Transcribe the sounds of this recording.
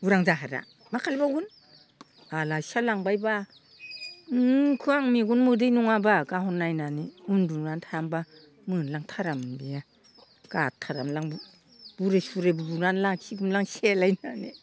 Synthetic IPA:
uɾaŋzaɦaɾa̰ | makʰalibaɡun | alasalaŋbajba | kʰɯaŋmiɡunmɯdɯjnuŋabaɡaɦɔnːajnaniundunantʰamba | mɯnlaŋtʰaɾambija | ɡ̥atʰːaɾamlaŋ | b̥uɾesuɾebubunanlasʰiɡumlaŋselajnanḭ

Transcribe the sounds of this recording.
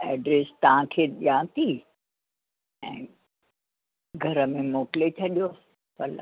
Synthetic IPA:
ɛːɖɾeːst̪ɐʋãkʰeːɗijãːt̪ʰi | ɛ̰̃ː | ɡʱɐɾəmẽmoːklet͡ɕʰɐɗijo | pɐla̰

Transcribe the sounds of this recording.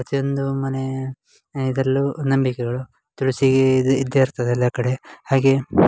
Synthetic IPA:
ɾɐt̪ijo̞nd̪umɐne̞ | id̪ɾɐlːunɐmbikeɡɐɭu | t̪uɭisiɡeid̪ːeɾt̪ʰɐd̪ɛlːɐkɐɽe̞haːɡe̞

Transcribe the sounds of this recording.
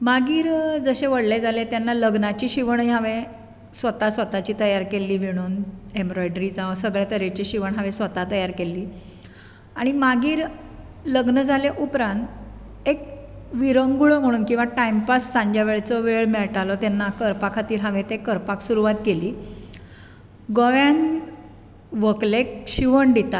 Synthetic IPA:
maɡiːɾd͡zəɕeʋəɽled͡zʱalet̪janːaləɡnat͡ɕiːɕiʋəɳjɦãʋe | sʋət̪asʋət̪at͡ɕiːt̪əjaɾkelːiːʋiɽ̃uːnembɾɔjɖɾiːd͡zaʋsəɡɭjat̪əɾet͡ɕiɕiʋəɳɦãʋesʋət̪at̪əjaɾkelːiː | aɽ̃imaɡiːɾ | ləɡnəd͡zʱaljeʔupɾãnt̪ | ek̚ʋiɾəŋɡuɭəm̤əɽ̃uːnkĩw̃ʋaʈaimpassãɲd͡ʑjaʋeɭt͡sɔʋeɭmieɭʈalɔt̪janːakəɾpakʰat̪iːɾɦãʋẽt̪ekəɾpaksuɾuʋat̪̚ɡeliː | ɡoʋjan | ʋəklekɕiʋəɳɖit̪a

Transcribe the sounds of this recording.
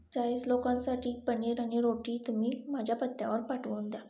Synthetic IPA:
d͡ʑajeslokãnsaʈʰiːpəɳiɾaɽ̃iɾoʈiːt̪umiːm̤ad͡ʑʱjapət̪ːja̰ʋəɾpaʈʋənd̪ja

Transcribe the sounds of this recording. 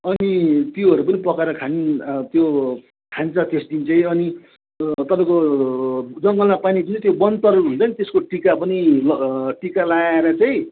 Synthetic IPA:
ʌnit̪joɦʌɾupʌnipʌkaɾʌkʰanit̪jo | kʰanit͡sʌt̪esd̪int͡sʌj̃ʌni | t̪ʌpãĩko | d͡zʌŋɡʌlmapanid̪int͡sʌt̪jobʌnt̪ʌruɦunt͡sʰʌnit̪eskoʈikapʌnilʌʈikalaeɾʌt͡saj̃

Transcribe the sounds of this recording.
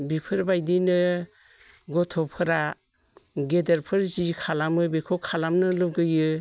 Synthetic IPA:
bipʰɯɾbajdinɯ | ɡɔtʰɔpʰɯɾa | ɡedeɾpʰɯɾzikʰalamɯbikʰɔkʰalamnɯlɯp̚ɡɯjɯ

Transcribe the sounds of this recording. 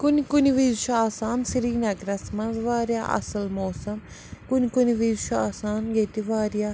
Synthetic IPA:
kunkuniʋizʃʰuaːsaːnsiɾiːnɐɡɾɐsmɐnzʋaːɾja̰ːʔɐ̰sɐlmoːsɐm | kʊnkʊniʋiːzʃʰuaːsaːnɡet̪iʋaːɾjaː

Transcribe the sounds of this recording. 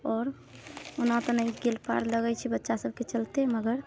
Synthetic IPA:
ɔːɾ | unat̪ɔnəiɡelpa̰ɾləɡɛt͡ʃʰibətːʃasəb̚ket͡ʃəlt̪eməɡəɾ

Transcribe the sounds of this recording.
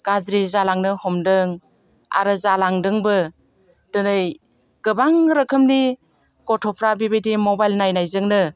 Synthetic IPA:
ɡ̥azɾizalaŋnɯhɔmdɯŋ | a̰ɾɯzalaŋdɯŋbɯ | d̥ɯnɯj | ɡ̥ɯbaŋɾɯkʰɯmni | kɔtʰɔpʰɾabibejdimobajlnajnajzɯŋnɯ

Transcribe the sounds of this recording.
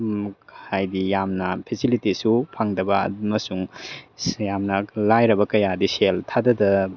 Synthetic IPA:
hajdijamnɐpʰesilitisupʰaŋdɐbɐmɐsuŋ | jamnɐlajɾɐbɐkɐjadiseltʰadɐdɐ

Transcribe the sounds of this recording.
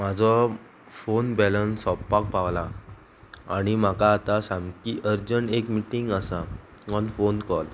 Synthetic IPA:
mad͡zʱɔ | fonbɛlənsɔpːak̚paʋla | aɽ̃im̤akaːt̪asãmkiːʔəɾd͡ʑənekmiʈiŋɡasa | ɔnfonkɔl

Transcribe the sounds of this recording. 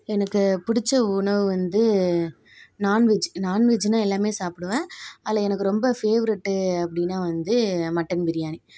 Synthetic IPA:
ɛnɐkːɯpʊɽɪt͡ʃːɐʊɳɐʋɯʋɐnd̪ɯ | naːnʋɪd͡ʒnaːnʋɪd͡ʒnãːɛlːaːmeːsaːpɪɽɯʋẽːɐlɐɛnɐkːɯɾɔmbɐfeːʋɐɾɪʈːɯɐpːɐɽɪnːaːʋɐnd̪ɯmɐʈːɐnbɪɾɪjaːni

